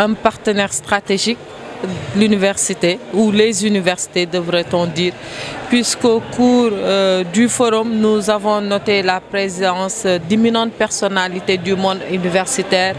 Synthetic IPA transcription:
ɛ̃paʁt̪ənɛʁst̪χat̪eʒik̚ | lynivɛʁsit̪eulezynivɛʁsi̥t̪edəvɾet̪ɔ̃d̪iːɾpɥiskokuːɾdyfɔɾɔmnuzavɔ̃nɔt̪elapɾezidɑ̃sd̪iminɑ̃t̪̚pɛʁsɔnalit̪ed̪ymɔ̃d̪ynivɛʁsit̪ɛːɾ

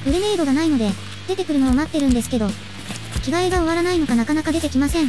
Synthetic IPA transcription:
bɯ̟ɾɯ̟me̞ːd̪o̞ɡanaino̞d̪e̞ | d̪e̞t̪e̞kɯ̟ɾɯ̟noomat̪ːeɾɯ̟̃nd̪e̞sɨ̥ke̞d̪o̞ | kʲiɡaeɡao̞βaɾanaino̞kanakanakad̪e̞t̪e̞kʲimasẽ̞ŋ

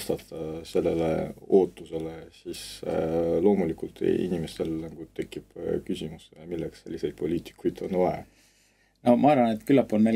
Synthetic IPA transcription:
st̪ɑt̪ːˑɑse̞lːe̞lḛoːt̪ːˑuse̞lesis | lo̞ːmulikult̪ḭnʲimest̪e̞lnɑɡ̥ut̪e̞kːib̥kysimusːejɑmilːeksse̞lʲːise̞jd̪̥̚po̞lʲiːt̪i̥kːujd̪̥o̞nvɑe | nomɑɑɾvɑnet̪kylːɑpːonme

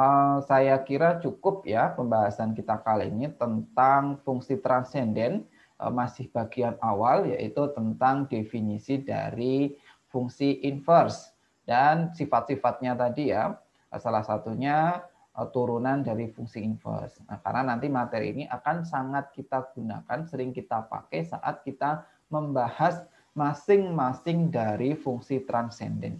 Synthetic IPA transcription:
əsajakiɾat͡ʃukʊp̚japəmbaɦasankit̪akaliinit̪ənt̪aŋfuŋsit̪ɾansɛndɛn | ʔə̰masɪhb̥aɡianawalja̰ʔit̪ut̪ənt̪aŋdefinisida̰ɾi | fuŋsiʔinfərs | d̥ansifat̪̚sifat̪̚ɲat̪adija̰ | salahsat̪uɲa | t̪uɾunandaɾifuŋsiinfə̰rsna̰hka̰rnanant̪imat̪ɛɾḭḭniʔakansaŋat̪̚kit̪aɡ̥una̰kansəɾɪŋkit̪apa̰kɛsa̰ʔa̰t̪̚kit̪a | məmbahas | masɪŋmasɪŋdaɾifuŋsit̪ɾansɛ̰ndɛ̰n

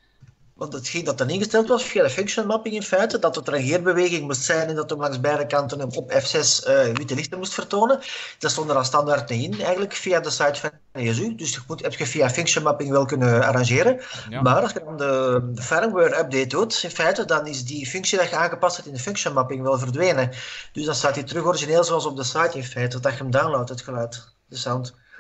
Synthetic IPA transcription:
ʋɑntətxɪndɑtɑnɪnɣəstɛlˠtʋɑsfijadəfʏŋkʃjɔnmɑpɪŋɪnfɛjtədɑtətəɾənɣɪːrbəʋeːɣɪŋmustsɛjnɛndɑtɔmlɑŋsbɛjdəkɑntənəɔpɛfsɛsəʋitəlɪxtərmustfərtoːnənd̥ɑnstɔndəɾɑstɑndartniɪnɛːjɣənləkfiːjadəsɑjtfɑn | neəzydʏsmutɦɛp̚txəvijafʏŋksənmɑpɪŋʋɛlˠkʏnəa̰ɾɑ̃nʒeːɾə | maːɾɑlˠsxədɑndəəfɛɾmwøːrœb̚detdutɪnfɛjtədɑnɪzdifʏŋksidɑtxəaːnɣəpɑsthɛtɪndəfʏŋkʃənmɑpɪŋʋɛlˠvərdʋeːnəd̥ʏzdɑnstaːtitərʏxɔɾɪʒineːlˠzoːɑlˠsɔb̚dəsɑjtɪnfɛːtədɑxəəmdaːnlowtɦətxəlœːt | dəsawnt

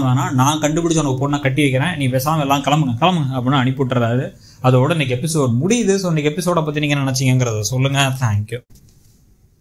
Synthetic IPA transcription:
ʋanaːnãːkɐɳɖɯpɪɽɪt͡ʃːɐnɐɡɐpoːʈnãːkɐʈːɪʋɐɪk̬ːɐɾẽːniːɡɐpeːs̬aːmɐɛlːãːkɐlɐmbɯŋɡɐkɐlɐmbɯŋɡɐ̃ɐpːɽɪnːaːɐnɪpːɯʈːɾɐðaːðɯ | ɐðɐɔɽɐnɐkːɛpːɪsoːɖ̚mʊɽɪðɯsoːnːɐkːɛpːɪsoːɽaːpːɐt̪ːiniːŋɡɐnnɛnɛt͡ʃːɪŋɡɐŋɡɪɾɐðasɔlːɯŋɡɐt̪ʰaːŋkjʊ

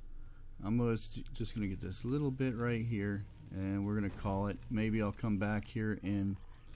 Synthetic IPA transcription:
ʔãɪmosd̥ʒ̥ʌsɡ̥ʌnɨɡɛt̪̚ðɪslɪɾl̩ˠbɪt̚ɹaɪt̚ɦiɹ | ɨ̃nwɪɹɡʌnɨkʰɔlˠɪt̚meɪbiaɪlˠkʰʌ̃mbækhiɹɪ̃n

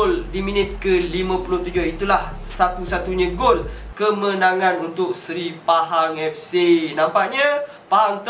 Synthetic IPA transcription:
ldiminɪt̪̚kəlimãpulʊht̪ud͡ʒʊhit̪ulah | sat̪usat̪uɲãɡol | kəmə̃naŋãnunt̪ʊk̚səɾipaɦaŋɛfsinãmpaʔɲã | paɦaŋt̪

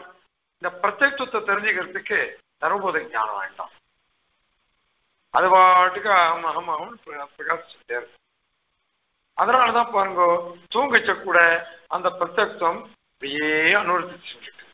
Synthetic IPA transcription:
ɪnd̪ɐpɾɐt̪ːeːk̚t̪ʋɐt̪ːɐt̪ɛɾɪɲd͡ʒɯɣɪɾɐt̪ːɯkːɯ | t̪ɐɾɯpoːðɐɲa̰ːnɐ̰ʋa̰ːʈːã̰ː | ɐ̰ðɯaːʈːɯkːɐɐɐmɐɣɐmɐɣɐmnppɾɐkaːsɪ̥t͡ʃːɯt̪eːɾ | ɐðɐnaːlɐt̪ãːpaːɾɯŋɡoːt̪uːŋɡɐt͡ʃːɐkːuːɽɐɐnd̪ɐpɪɾɐt̪ːeːk̚t̪ːɐm | ɪpɽɐjeːɐnɯʋɐɾt̪ːɪt͡ʃːɯnɾɯkːɯ̥

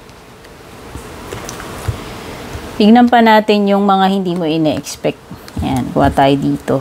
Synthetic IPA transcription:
bɪɡ̚nɐmpɐnaːt̪ɪnjʊŋmɐŋahɪnd̪iːmo̞ʔɪnɛʔɛ̰kspɛk̚t̪̚jankʊ̰ʔa̰ːt̪aːjod̪iːt̪o̞

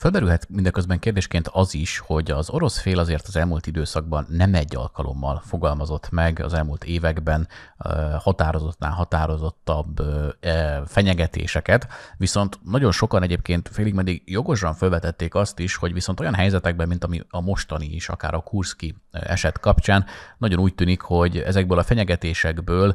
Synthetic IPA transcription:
følbɛɾylɦɛt̪mind̪ɒkøzbɛŋkeːrd̪eːʃkeːnt̪ʰɒziʃho̞ɟɒzo̞ɾo̞sfeːlɒzeːrt̪ɒzɛlmult̪id̪øːsɒɡ̚bɒnːɛmɛɟːɒ̰lkɒlʔo̞̰mːɒ̰lfo̞ɡɒlmɒzo̞t̪mɛɡɒ̰zɛlmult̪ʰeːvɛɡbɛn | hɒt̪aːɾo̞zo̞t̪na̰ːnɦɒt̪aːɾo̞zo̞t̪ːɒb | fɛɲɛɡɛt̪ḛːʃɛkɛt̪ʋiso̞nt̪nɒɟo̞nʃo̞kɒnɛɟeːp̚keːnt̪feːliɡmɛd̪ːiɡjo̞ɡo̞ʃɒɱfølvɛt̪ɛt̪ːeːkɒst̪iʃho̞ɟʋiso̞nt̪o̞jɒnɦɛjzɛt̪ɛɡ̚bɛmːint̪ɒmiɒmo̞ʃt̪ɒniiʃɒ̰ka̰ːɾɒkurskiɛ̰ʃɛt̪kɒpt͡ʃaːnnɒɟo̞nuːc̚t̪yːnikho̞ɟɛ̰zɛɡ̚bøːlɒfɛɲɛɡɛt̪eːʃɛɡbøːl

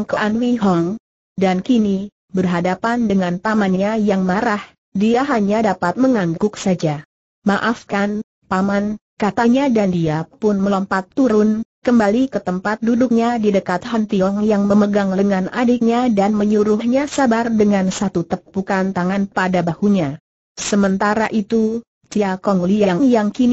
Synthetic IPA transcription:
ŋkəʔanwiɦɔŋ | dankini | bərɦadapandəŋanpamanɲajaŋmaɾah | diaɦaɲadapat̪̚məŋaŋɡʊksad͡ʒa | maʔafkan | pamankat̪aɲadandiapʊnməlɔmpat̪ːuɾʊnkəmbalikət̪əmpat̪̚dudʊk̚ɲadidəkat̪hant̪iɔŋjaŋməməɡaŋləŋanadɪk̚ɲadanməɲuɾʊhɲasabardəŋansat̪ut̪əp̚bukant̪aŋanpadabahuɲa | səmənt̪aɾaʔit̪u | d͡ʒiakɔŋlijaŋŋjaŋkin

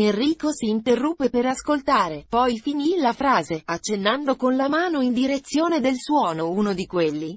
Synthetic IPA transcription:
enriːkosiːnt̪erːupːepeɾaskolt̪aːɾepɔjfinilafɾaːzeat͡ʃːenːand̪okonlamaːnoind̪iɾet̪sːjoːned̪elswɔːnouːnod̪ikwelːi

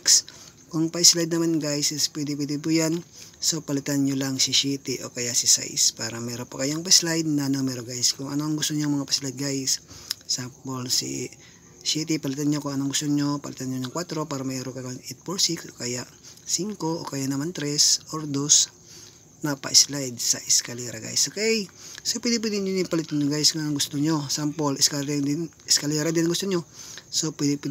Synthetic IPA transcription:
ks | koŋpɐʔɪslajd̪̚nɐmanɡajsɪspwɛd̪ɪpwɛd̪ɪp̬ujansopɐlɪt̪anɲolɐŋsɪʃit̪iʔo̞̰kɐjasɪsa̰jspaːɾɐmɛɾopɐkɐjoŋpɐslajd̪̚nɐnɐmɛɾoɡajskʊŋɐnoʔɐŋɡʊst̪oɲoŋmɐŋapɐslajd̪̚ɡajsːapolsḭ | sit̪ipɐlɪt̪anɲokʊŋɐnoɐŋɡʊst̪oɲopɐ̰lɪt̪anɲoɲoŋkwat̪ɾo̞paːɾɐmɐɛːɾoŋkɐjaŋʔɛt̪̚foɹsiksʔokajaʔsiŋko̞ʔo̰kajaʔnɐmant̪ɾɛsʔoɾd̪os | nɐpɐ̰ʔɪslajd̪̚sɐʔɪskɐlɛɾaɡa̰jsokɛjsopwɛd̪ɪpwɛd̪ɪɲoɲɪpɐlɪt̪anɲoɡajsŋaɐŋɡʊst̪oɲosampolɪskaɾɪ | ɪskɐlɛɾad̪ɪnɐŋɡʊst̪oɲosopwɛd̪ɪpwɛ

